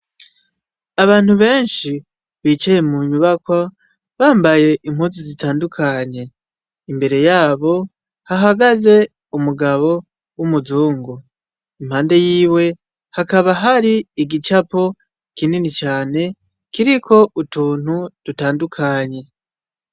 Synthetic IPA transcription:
aβaːn̥huβe̞ːnʃi | βit͡ʃeje̞muɲuβakwa | βaːmbaje̞ʔim̥huːzizitaːndukʰaɲe̞ | imbe̞ɾe̞jaːβo̞ | haɦaɡaze̞ | umuɡaβo̞ | wumuzuːŋɡu | im̥haːnde̞jiːwe̞ | hakaβaɦaɾiiɡit͡ʃapo̞ | kininit͡ʃaːne̞ | kiɾikʰo̞ʔutuːn̥hud̥utaːndukʰaɲe̞

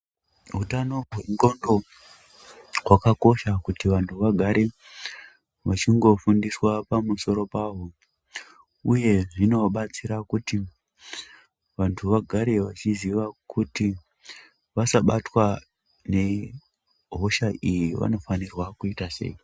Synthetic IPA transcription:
ɦutano̞ɦweŋɡo̞ndo | ɦwakako̞ʃakutiʋantʰuʋaɡʱaɾe̞ | ʋat͡ʃiŋɡo̞fundiswapamuso̞ɾo̞paɦo | uje̞ʐino̞ɓat͡siɾakuti | ʋantʰuʋaɡʱaɾe̞ʋat͡ʃiziʋakʰuti | ʋasaɓatwa | ne̞ | ɦo̞ʃaijiʋa̰no̞fanirwakuitase̞̰i

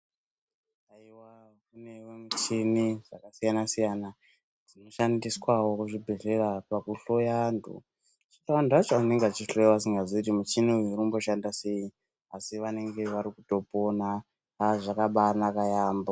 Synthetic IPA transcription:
taiwa | kune̞wemet͡ʃiniʐakasijanasijana | d͡zino̞ʃandiswawo̞kuʐibʱe̞ɮe̞rapakuɬo̞jandʱṵ | t͡ʃitaanduat͡ʃoane̞ŋɡeat͡ʃiɬojawas̬iŋɡazoitimut͡ʃinuirumbo̞ʃandase̞ji | asiʋane̞ŋɡe̞ʋaɾikuto̞po̞na | aʐakaɓanakajaːmbo

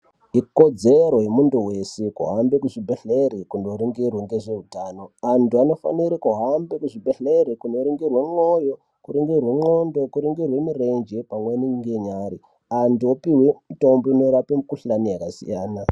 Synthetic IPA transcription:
iko̞d͡zeɾo̞je̞munduwe̞sekṵɦambekuʐibʱeɬeɾikundoɾiŋɡirweŋɡeʐe̞ɦutaːno̞antuano̞fa̰niɾikuɦambekuʐibʱeɬeɾikunoɾiŋɡirwe̞ŋo̞jo̞ | kuɾiŋɡirweŋ͡ǃondo̞kuɾiŋɡirwe̞mire̞nd͡ʒepamweniŋɡeɲaːɾi | antuopiwemitombono̞ɾapemukuɬanijakasḭjaːna

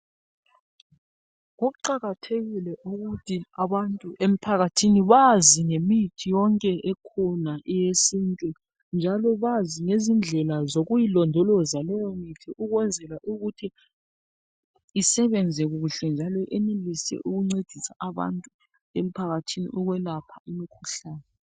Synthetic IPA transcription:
ɣoɣuǃaɣatʰeɣilɛʔuɣutʰiaβantʼuʔem̩pʰaɣatʰiniβaziŋemitʰijɔŋkʼɛʔɛkʰɔnaʔɛjesintʼu | nd͡ʒʱalɔβaziŋezind͡ɮʱɛlazoɣujilɔndʱɔlɔzalɛjɔmitʰiʔuɣwɛnd͡zʱɛlaʔuɣutʰi | isɛβɛnd͡zʱɛɣuuɬɛnd͡ʒʱalɔʔɛnelisɛ̰ʔuɣuŋ͡ǀed̥ʱisaʔaβa̰ntʼu | em̩pʰaɣatʰinḭʔɔɣwɛlapʰaimikʰuɬaːnɛ

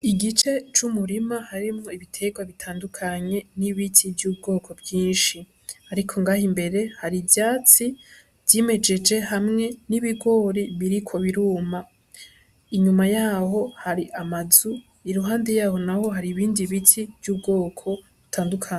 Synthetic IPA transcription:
iɡit͡ʃe̞t͡ʃumuɾimahaɾimŋo̞iβitʰe̞ɡwaβitʰaːndukʰaɲe̞niβitivjuːb̚ɡo̞ːkʰo̞bjiːnʃi | aɾikʰo̞ŋɡaːhimbe̞ɾe̞haɾivjaːt͡si | v̥jime̞d͡ʒe̞d͡ʒe̞hamŋe̞niβiɡo̞ːɾiβiɾikʰo̞βiɾuːma | iɲumajaːho̞haɾiʔamazu | iɾuɦaːnde̞jaːho̞naho̞ɦaɾiβiːndiβitiv̥juːb̚ɡo̞ːkʰo̞ | βutʰaːndukʰaɲ

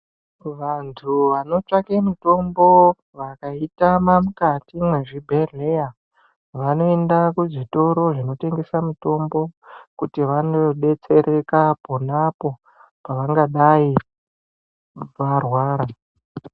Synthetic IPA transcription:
ʋantʰuʋano̞t͡ʂakemuto̞mbo̞ | ʋakaitamamukatimwe̞ʐibʱe̞reja | ʋano̞e̞ndakuʐito̞ɾo̞ʐino̞te̞ŋɡe̞samuto̞mbo̞kutiʋanoɗe̞t͡se̞ɾʔe̞kaponapo̞ | paʋaŋɡaɗai | ʋarwaːɾa

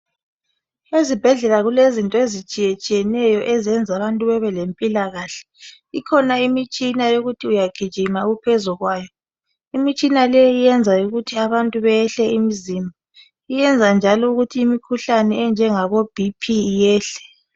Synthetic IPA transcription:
ezib̥ʱɛɮɛlaɣulezintʼɔezit͡ʃʼijet͡ʃʼijɛnɛjɔʔɛzɛnd͡zʱaβantʼuβɛβɛlempʼilaɣaːɬɛ̥ | ikʰɔnaimit͡ʃʼinajoɣutʰiujaɡ̥ʱid̥ʒ̥ʱimaɣupʰɛzuɣwaːjɔ | imit͡ʃʼinalɛjijɛnd͡zʱauɣutʰiaβantʼuβɛjɛɬɛimizima | ijɛnd͡zʱand͡ʒʱalɔuɣutʰiːmikʰuɬanɛɛnd͡ʒʱɛŋaɣob̥ʱipʰijɛːɬɛ̥

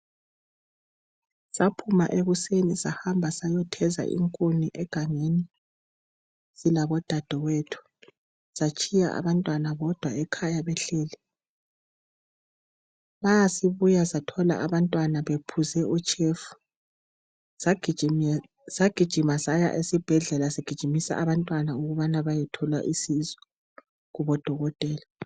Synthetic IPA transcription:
sapʰuma̰ʔeɣusenisahambʱasajɔtʰɛza̰ʔḭŋkʼoniʔɛɡ̥ʱaŋeni | z̥ilaβɔd̥ʱad̥ʱɔwetʰu̥ | sat͡ʃʼija̰ʔa̰βantʼwanaβɔd̥ʱwaɛkʰajaβɛɬeːlɛ | βajasiβujasatʰɔla̰ʔaβantʼwanaβepʰuzɛʔut͡ʃʼefu̥ | aɡ̥ʱi | saɡ̥ʱid̥ʒ̥ʱimazaja̰ʔesib̥ʱɛɮɛlasiɡ̥ʱid̥ʒ̥ʱimisa̰ʔaβantʼwanauɣuβanaβajɛtʰɔla̰ʔisizɔ | ɣuβɔd̥ʱɔɣɔtʼɛːla

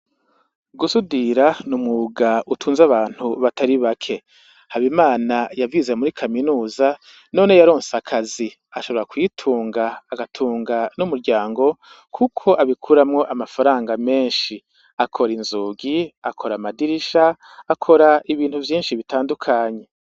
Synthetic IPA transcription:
ɡusudiɾanumŋuɡaʔutʰuːnzaβaːn̥huβatʰaɾiβakʰe̞ | haβimaːnajavizemuɾikʰaminuːza | no̞ːne̞jaɾo̞ːnseakʰazi | aʃo̞βo̞ɾakwiːtʰuːŋɡaːɡatʰuːŋɡanumuɾɟaːŋɡo̞ | kʰukʰo̞ʔaβikʰuɾamŋo̞ʔamafaɾaːŋɡame̞ːnʃi | akʰo̞ɾinzuːɡiakʰo̞ɾamadiɾiʃaː | kʰo̞ɾaiβiːnhuvjiːnʃiβitaːndukʰaːɲe̞

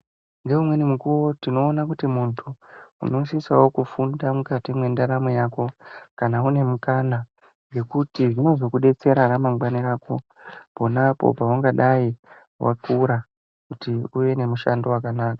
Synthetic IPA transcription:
ŋɡe̞umwe̞nimukuwo̞tino̞ːnakutimuntʰuṵno̞sisawo̞kufundamukatimwe̞ndaɾamojaːko̞kanaune̞mukana | ŋɡe̞kutiʐino̞zo̞kuɗe̞t͡se̞ɾaɾamaŋɡwaniɾaːko̞̰ | po̞napo̞̰pawaŋɡaɗai | wa̰kuɾa | kutiuʋe̞ne̞muʃando̞wakanaːkḁ

